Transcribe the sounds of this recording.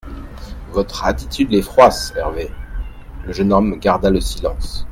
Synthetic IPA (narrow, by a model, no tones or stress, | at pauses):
vɔt̪χat̪i̥t̪yd̪lɛfχwasɛ̰ʁve | ləʒənɔmɡaʁd̪aləsilɑ̃s